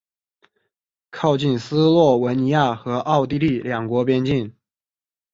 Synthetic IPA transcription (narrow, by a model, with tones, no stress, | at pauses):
kʰɑ˥˧ʊt͡ɕi˥˧nsɹ̩˥lwɔ˥˩wə˧˥nni˧˥ja˥˩xɤ˧˥ʔɑ˥˧ʊt̪i˥˧li˥˩ljɑ˨˩ŋkwɔ˧˥pjɛ˥nt͡ɕi˥˩n